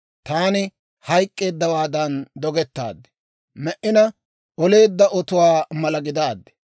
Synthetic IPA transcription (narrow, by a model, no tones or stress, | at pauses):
t̪aːnɪ | hɐjkʼːe̞ːd̪ːɐwaːd̪ɐnd̪ɔɡɛt̪ːa̰ːd̪ːɛ̥ | mɛʔɪnɐ | ɔle̞ːd̪ːɐʔɔt̪ʊwaːmɐlɐɡɪd̪aːd̪ːɛ̥